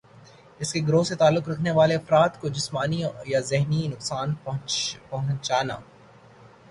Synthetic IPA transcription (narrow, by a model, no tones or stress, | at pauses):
ɪskeɡɾoːset̪aːlːʊkɾɐkʰneʋaːleɐfɾaːt̪kod͡ʒɪsmaːnijazɪɦninʊqsaːnɦpɐɦʊ̃t͡ʃaːna̰ː